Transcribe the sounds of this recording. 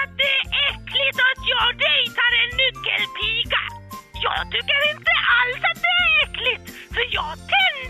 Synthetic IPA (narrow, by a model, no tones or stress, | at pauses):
at̪̚d̪ɛæɾʔɛkːlɪt̪at̪jɑːɡd̪ɛjt̪ʰaɾɛnːʏkːə̰lpʰiːɡa̰jɑ̰ːɡt̪ʰʏkːəɾɪnt̪əʔalsat̪̚d̪ɛæɾɛklɪt̪ | fœɾjɑːɡt̪ʰɛn